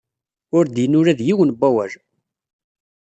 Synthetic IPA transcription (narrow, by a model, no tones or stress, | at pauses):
ʊɾd̪jənʊɾæðjiwənbʷːæwæɾ